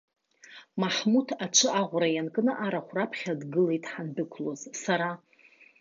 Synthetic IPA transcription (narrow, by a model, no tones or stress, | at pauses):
maħmutʰat͡ʃʷʰɨaʁʷrajankʼɨnɨʔaɾaχʷrapʰχʲadɡɨle̞jtʼħanbɨkʷʰloz̥saɾa